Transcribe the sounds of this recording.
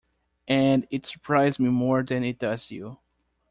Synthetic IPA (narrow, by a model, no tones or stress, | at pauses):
ʔɨ̃nɪtsə˞pʰɹ̥aɪzmimɔɹðɨ̃nɪt̚d̥ʌz̥jṵ